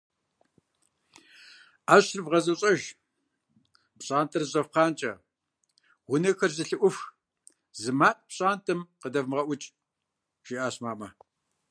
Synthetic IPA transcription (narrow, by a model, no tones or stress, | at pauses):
aːɕrɨvʁɐzɐɕʼɐʒ | pɕʼaːntʰɐrʑɐfqɑːnt͡ʃʼɐ̰ | wʊnɐxɐrzɨɬɨʔʷʊf | zɨmaːtʼpɕʼaːntʰɨmqədɐvmʁɐʔʷʊt͡ʃʼ | ʒ̥iʔaːɕmaːmɐ